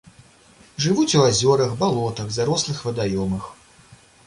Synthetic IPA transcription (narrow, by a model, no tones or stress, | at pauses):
ʐɨvut͡sʲuazʲɔɾɐɣbalˠɔt̪ɐɣd̪aɾɔslˠɨxvɐd̪ajɔmɨx